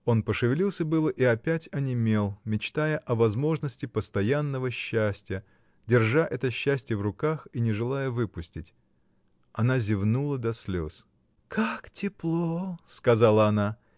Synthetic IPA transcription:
o̞npəʂɨvʲɪlʲilˠsʲəbɨlˠəʔiɐpʲætʲɐnʲɪmʲe̞lˠmʲɪt͡ɕt̪ajəʔɐvɐzmo̞ʐnəsʲtʲɪpəst̪ɐjanːəvəɕːæsʲtʲɪjə | dʲɪrʐaʔɛt̪əɕːæsʲtʲɪjəvrʊkaxinʲɪʐɨlˠajəvɨpʊsʲtʲɪtʲ | ɐnazʲɪvnulˠəd̪ɐsʲlʲo̞̰s | kʰaktʲɪplˠoskɐzalˠəɐna

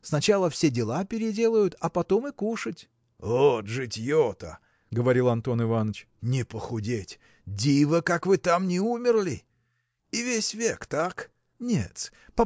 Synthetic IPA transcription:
snɐt͡ɕalˠəfsʲedʲɪlˠapʲɪɾʲɪdʲe̞lˠʊjʊt̪ɐpɐt̪o̞mɪkuʂətʲ | oʐɨtʲjot̪ə̰ | ɡəvɐɾʲilˠɐnt̪o̞nɨvanət͡ɕ | nʲɪpəxʊdʲetʲ | dʲivəkakvɨt̪amnʲɪumʲɪrlʲɪ | ivʲesʲvʲekt̪ak | nʲḛt̪ | pɐ

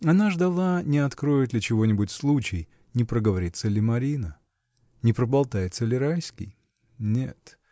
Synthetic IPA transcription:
ɐnaʐd̪ɐlˠanʲɪɐt̪kɾo̞jɪt̪lʲɪt͡ɕɪvo̞nʲɪbʊtʲslˠut͡ɕɪj | nʲɪpɾəɡəvɐɾʲit̪səlʲɪmɐɾʲinə | nʲɪpɾəbɐlˠt̪ajɪt̪səlʲɪɾajskʲɪ̰j | nʲe̞̰t̪

